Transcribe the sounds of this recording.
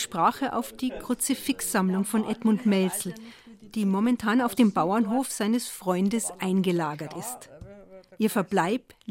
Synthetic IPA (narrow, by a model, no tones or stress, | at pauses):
ʃpʁ̥aːχəʔa̰ʊfd̥iːkʁ̥ʊt͡səfɪksz̥amlʊŋfɔnʔɛtmʊntmɛlsl̩ | d̥iːmɔmɛntʰaːnaʊfd̥eːmbaʊɐnɦoːfz̥aɪnəsfʁ̥ɔʏndəsʔaɪnɡəlaːɡɐtɪst | ʔiːɐfɛɐblaɪp